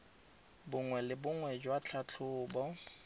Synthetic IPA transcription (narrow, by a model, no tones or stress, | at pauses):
bʊŋwɛlɪbʊŋwɛd͡ʒwat͡ɬʰat͡ɬʰʊːbɔ